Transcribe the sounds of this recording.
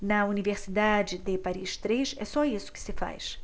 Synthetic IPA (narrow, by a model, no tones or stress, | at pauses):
nɐuniveɾsid̪ad͡ʒɪd̪ɪpaɾiʃt̪ɾeʃɛsɔisʊ̥kɪ̥sɪfa̰jʃ